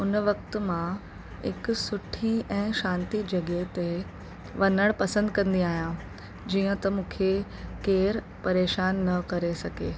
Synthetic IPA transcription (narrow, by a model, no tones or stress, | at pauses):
ʊnʋɐk̚t̪̆mã | ɦɪ̰ksʊʈʰiɛ̃ːʃãːnt̪id͡ʑɐɡeɦt̪e | ʋɐnəɽ̃pɐsə̃nd̪kɐ̃nd̪iaːɦijã | d͡ʑiːə̃t̪ɐmũːkʰe | keːɾ | pɐɾeːʃaːnːɐkɐɾesɐɡeː